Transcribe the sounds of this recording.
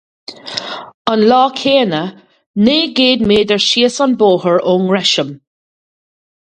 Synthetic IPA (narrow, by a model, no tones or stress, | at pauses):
ənlɔːkʰeːnə | neːɡeːd̪meːdəɹʃiːəsɔnboːhəɹʊŋɹɛʃəm